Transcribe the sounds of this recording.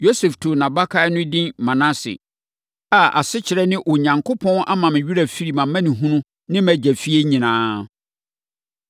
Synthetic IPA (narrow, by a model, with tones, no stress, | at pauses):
jo˦sɛ˨ftʰʊ˨nã˨ba˦kʰa˦nʊ̃˦dɪ̃˦nmã˨nã˦sɪ̰˨ | a˨a̰˨sɪ˦t͡ɕʰɪ˨ɾɛ˦nɪ̃˦ʔɔ˨ɲã˨ŋkʰo˦pʰɔ̃˦nʔa̰˦mã˨m̃˨ɥu˦ɾæ˨fi˦ɾi˨mã˨mã˦nɪ̃˨ɦũ˦nũ˦ | nɪ̃˦mæ̃˨d͡ʑæ˨fi˦e˦ɲĩ˨nãː˦